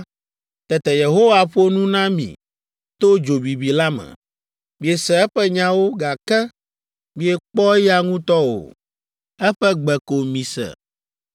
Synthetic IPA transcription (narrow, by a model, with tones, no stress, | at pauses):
t̪ɛ˨t̪ɛ˨je˨ɦo˦wa˨ɸo˦nũ˦nã˦mḭ̃˨ | t̪o˦d͡ʒo˨bi˨bi˨la˦mɛ̰̃˨ | mĩ˨e˨sɛ˨ɛ˦ɸɛ˦ɲã˦wo˦ɡa˨kɛ˦ | mĩ˦e˨k͡pɔ˦ja˦ŋũ˦t̪ɔ˦o̰˨ | ɛ˦ɸɛ˦ɡ͡bɛ˨ko˨mĩ˨sɛ̰˨